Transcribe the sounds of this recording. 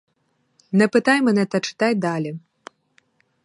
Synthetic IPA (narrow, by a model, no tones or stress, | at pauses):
nɐpɨt̪ajmɐnɛt̪ɐt͡ʂɨ̥t̪ajʲd̪alʲi